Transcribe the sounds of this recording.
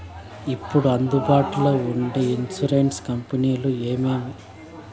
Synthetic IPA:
ipːuɽuɐnd̪ubaːʈuloːuɳɖiinsuɾenʈskɐmpiniːlueːmeːmi

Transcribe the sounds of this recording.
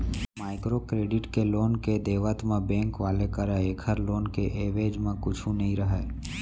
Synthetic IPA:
maːɪkɾokɾeːɖɪʈkeloːnked̪eːʋət̪mẽbɛ̃ːŋkʋaːlekəɾɛeːkʰəɾloːnkeʔeːʋeːd͡ʒmẽkʊt͡ʃʰũnəɦĩɾəɦɛː

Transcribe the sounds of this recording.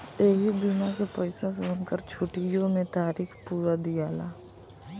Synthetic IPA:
eːɦibimakepəɪsas̬oːnkəɾt͡ʃʰʊʈijõmẽt̪aːɾiːxpuːɾad̪ijaːlaː

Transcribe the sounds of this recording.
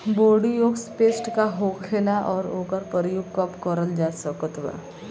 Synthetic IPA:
boːɽijoːɡspeːsʈkaɦoːkʰeːlaʔɔːɾoːkəɾpəɾjuɡkɐpkəɾəld͡ʒaːsəkət̪ʋa̰

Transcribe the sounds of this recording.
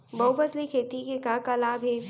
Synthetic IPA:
bɐwbəslikʰeːt̪ikekãːkalaːbʱɦeː

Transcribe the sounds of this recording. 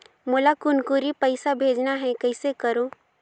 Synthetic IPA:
moːlakʊnkuɾipəɪsabʱeːd͡ʒnaɦɛ̃kəɪsekəɾo

